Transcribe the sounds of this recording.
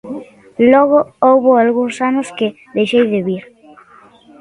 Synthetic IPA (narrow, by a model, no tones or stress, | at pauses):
lɔɣ̞oowβoalɣuŋsanʊskɪ | ðejʃejðɪβiɾ